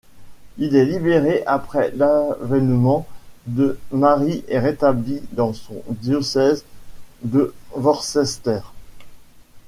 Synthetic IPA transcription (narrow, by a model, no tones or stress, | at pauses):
ilɛlibeʁeʔapχɛlavɛnmɑ̃d̪əmaʁiʔɛʁet̪ablid̪ɑ̃sɔ̃d̪jɔsɛzd̪əvɔʁsɛst̪ɛːʁ